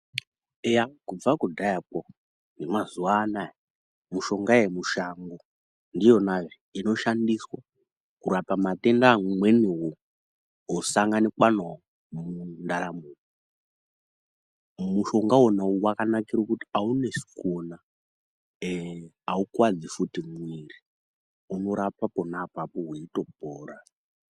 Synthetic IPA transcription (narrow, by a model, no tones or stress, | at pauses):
ejakub͡vakudʱajak̚o | ŋemazuwaːnaje | muʃo̞ŋɡaemuʃaŋɡo | ndijo̞naʐiino̞ʃandiswa | kuɾapamatendamwe̞newo | osaŋɡanikwan | mundaɾamuːni | muʃoŋɡaɦonauwakanakirkuti̥aune̞si̥kuna | aukwad͡zifutimwiri | uno̞ɾapaponapapoɦwiito̞poːra